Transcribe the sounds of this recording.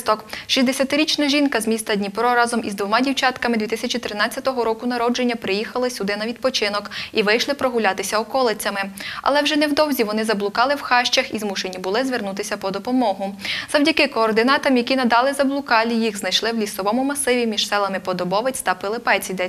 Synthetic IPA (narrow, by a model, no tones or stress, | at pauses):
t̪ɔkʃʲisʲd̪esʲɐt̪ɪɾʲit͡ʃnɐʒʲinkɐzmʲist̪ɐdʲnʲipɾɔɾɑzɔmizd̪ʋɔmɑdʲiwt͡ʃɑt̪kɐmɪd̪ʲʋʲit̪ɪsʲɐt͡ʃit̪ɾɪnɑt͡sʲːɐt̪ɔɦɔɾɔkʊnɐɾɔd͡ʒenʲːɐpɾɪjixɐlˠɪsʲʊd̪ɪnɐʋʲid̪̚pɔt͡ʃɪnɔkiʋɪjʃlˠɪpɾɔɦʊlʲat̪ɪsʲɐɔkɔlˠɪt͡sʲɐmɪɐ̰lˠɛwʒɛnɛwd̪ɔwzʲiʋɔnɪzɐblˠʊkɑlˠɪwxɑʃt͡ʃɐxizmuʃe̞nʲibʊlˠɪzʋernut̪ɪsʲɐpɔd̪ɔpɔmɔɦʊzɐwdʲɐkɪkɔːrd̪ɪnɑt̪ɐmjɐkʲinɐd̪ɑlˠɪzɐblˠʊkɑlʲijiɣznɐjʃlˠɪwlʲisɔʋɔmʊmɐsɪʋʲimʲiʒ̥sɛlˠɐmɪpɔd̪ɔbɔʋet͡sʲt̪ɐpɪlˠɪpɛt͡sʲid̪ɛ